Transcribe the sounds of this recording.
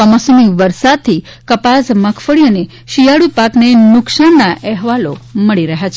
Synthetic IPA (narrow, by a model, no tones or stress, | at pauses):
əməsomiʋəɾsad̪̚t̪ʰi | kəpasməkʰfəɭiəne | ʃijaɽupaknenʊksaɳnaʔɛɦʋaloməɭiɾəɦjat͡ʃʰe